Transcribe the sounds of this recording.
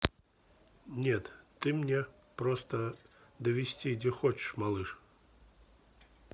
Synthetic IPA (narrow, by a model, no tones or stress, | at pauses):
nʲet̪ːɨmnʲe | pɾɔst̪əd̪əvʲɪsʲtʲidʲɛxɔt͡ɕɪ̥ʂmalˠɨʂ